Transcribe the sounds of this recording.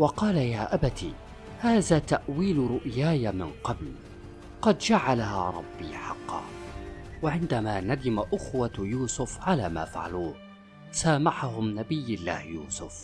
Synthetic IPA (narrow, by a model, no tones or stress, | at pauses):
wɑqɑːlajaːʔabat̪ḭː | haːðaːt̪aʔwiːlɾʊʔjaːjamɪnqɑbl | qɑd̪d͡ʒaʕalahaːɾˤɑbːiːħɑqːɑ̰ː | waʕɪnd̪amaːnad̪ɪmaʔʊxwajuːsʊfʕalaːma̰ːfa̰ʕa̰luːh | saːmaħaɦʊmnabɪjːalːa̰ːhjuːsʊf